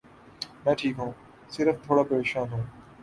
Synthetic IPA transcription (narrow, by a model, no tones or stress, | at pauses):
mɛ̃ːʈʰiːkɦũː | sɪɾəft̪ʰoːɽaːpɐɾeːʃaːnɦũː